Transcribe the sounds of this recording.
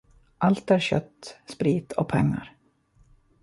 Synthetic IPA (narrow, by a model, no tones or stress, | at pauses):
ʔalt̪æɾɕœ̰t̪ːspɾiːt̪ʰɔ̰pʰɛŋːa̰ɾ